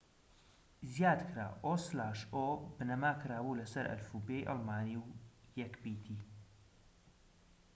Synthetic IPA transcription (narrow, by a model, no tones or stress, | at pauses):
zjaːd̪kɾa̰ːʔoslaːʃʔobnɐmaːkɾaːwulɐsɐɾʔɐ̰lfubejʔɑ̰lˠmaːniwjɛkbiːt̪ʰi